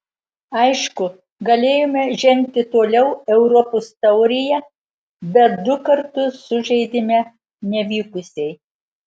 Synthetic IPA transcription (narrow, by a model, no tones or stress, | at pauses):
ɐɪʃkʊ | ɡɐlʲeːjomʲɛʒʲɛŋʲk̚t̪ʲɪt̪oːlʲɛʊɛʊɾɔpoːst̪ɐʊɾʲɪjɛ | bʲɛt̪d̪ʊkɐɾt̪ʊsːʊʒʲɛɪd̪ʲɪmʲɛ | nʲɛʋʲiːkʊsʲɛɪ